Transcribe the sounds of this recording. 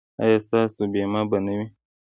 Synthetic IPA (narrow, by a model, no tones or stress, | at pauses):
a̰jasasubiemãbanemi